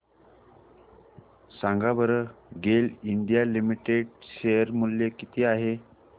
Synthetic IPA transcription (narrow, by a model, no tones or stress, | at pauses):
sãŋɡabəɾəɡeliɳɖijalimiʈeɽɕejəɾmuljekit̪ʰiːaɦe